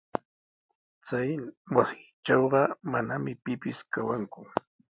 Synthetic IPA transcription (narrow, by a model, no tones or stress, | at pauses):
t͡sajwasɪt͡ʃɑwɢɑmanamɪpɪpɪskawaŋkʊ